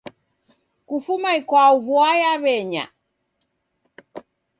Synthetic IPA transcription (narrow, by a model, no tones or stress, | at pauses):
kufumaikwauvuajaβɛɲa̰